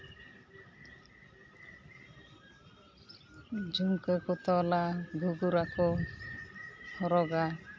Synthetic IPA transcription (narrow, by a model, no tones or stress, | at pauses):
d͡ʒumkəkɔt̪ɔlaɡʱuɡuɾakɔ | hʰɔɾɔɡa